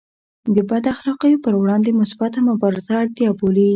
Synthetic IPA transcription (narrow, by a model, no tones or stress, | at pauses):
d̪əbad̪axlɑqəjopəɾwɽɑnd̪emʊsbat̪amʊbɑɾɪzaɑd̪jɑboli